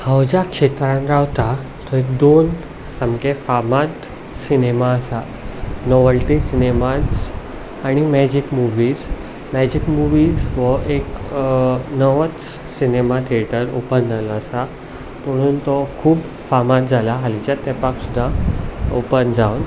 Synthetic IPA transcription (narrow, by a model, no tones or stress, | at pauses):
həwd͡ʑakʂet̪ɾãnɾaʋt̪a | t̪ɔek̚d̪on | səmkefamat̪ | sinemaəsa | nɔʋəɭʈ̪isinemat͡s | aɽ̃imɛd͡ʑikmuʋiːz | mɛd͡ʑikmuʋiːzʋəʔek | nəʋət͡s | sinemat̪ʰieʈəɾopəndələsa | məɽ̃uːnt̪ɔkʰuːb | faɾmat̪̚d͡zʱalaɦalit͡ɕjat̪ɛpaksud̪ʱːaopənd͡zʱaʋn